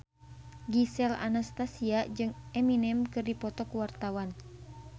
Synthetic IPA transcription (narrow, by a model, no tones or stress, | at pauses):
ɡisɛla̰nast̪asiad͡ʒɨŋɛminɛmkɨrdipɔt̪ɔkuwart̪awan